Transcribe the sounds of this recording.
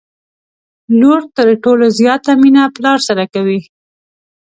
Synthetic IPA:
loɾt̪əɾʈolozjɑt̪aminaplɑɾsaɾakawi

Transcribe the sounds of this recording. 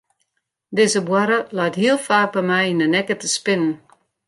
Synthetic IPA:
dɪzəbwaɾəlajtɦiəlˠfaːk̚bɛmɛjinənɛkətəspɪnən

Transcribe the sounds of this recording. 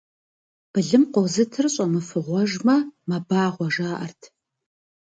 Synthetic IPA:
b̥ɨɮɨmqʷɔwzɨtʰɨrɕʼɐmɨfɨʁʷɔʒmɐmɐbaːʁʷɔʒaːʔɐrtʰ

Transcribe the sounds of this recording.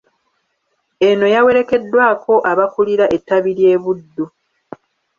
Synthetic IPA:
e̞no̞jawe̞ɾe̞ke̞dːwaːko̞ʔaβakuliɾaʔe̞tːaβiɾje̞ːβudːu

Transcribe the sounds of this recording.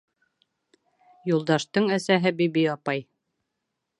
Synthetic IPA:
julˠd̪ɑʃt̪ɤɴæsæɦɘbibijɑpɑj

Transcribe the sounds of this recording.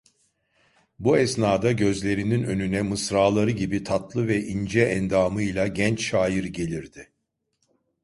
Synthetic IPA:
buɛsnaːd̪aɟø̞zlʲe̞ɾininø̞nynɛmɯsɾaːlˠaɾɯɟibit̪ʰat̪lˠɯvɛʔind͡ʒɛɛnd̪aːmɯjlˠaɟɛnt͡ʃʃaːjiɾɟe̞lʲiɾd̪ɪ

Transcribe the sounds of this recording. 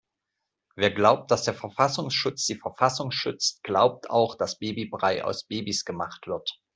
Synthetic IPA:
veːɐɡlaʊp̚t̚d̥asd̥eːɐfɛɐfasʊŋsʃʊt͡sd̥iːfɛɐfasʊŋsʃʏt͡stɡ̥laʊp̚tʰa̰ʊxd̥asb̥eːbibʁaɪʔa̰ʊsb̥eːbisɡ̥əmaχtv̥ɪɐt

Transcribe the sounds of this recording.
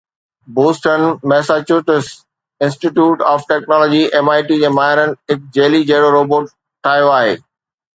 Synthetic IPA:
boːsʈənmɛːsat͡ɕuʈɪs | ɪ̃nsʈiʈjuːʈaːfʈɛːknɔːlɔːd͡ʑiʔɛmaːɪʈid͡ʑeːmaːɦɪɾənɪ̆ɦɪk̚d͡ʑeːlid͡ʑeɦɽoɾoːboːʈ | ʈʰːaːijoaːɦḛː

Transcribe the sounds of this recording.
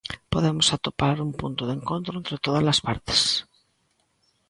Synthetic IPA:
poðemosat̪opaɾumpunt̪oðeŋkont̪ɾoent̪ɾet̪oð̞azlaspaɾt̪e̥s

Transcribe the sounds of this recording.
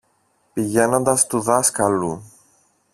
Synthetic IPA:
piʝe̞no̞nd̪ɐst̪uðɐskɐlu

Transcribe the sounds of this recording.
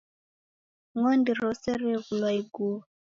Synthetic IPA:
ŋɔndiɾɔsɛɾɛɣulwaiɡu

